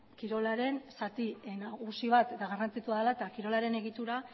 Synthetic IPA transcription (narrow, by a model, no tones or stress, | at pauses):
kiɾo̞laɾe̞nsat̪ienaɣusiβ̞at̪d̪aɣarant͡sit̪uaðalaet̪akiɾo̞laɾe̞ne̞ɣ̞it̪uɾa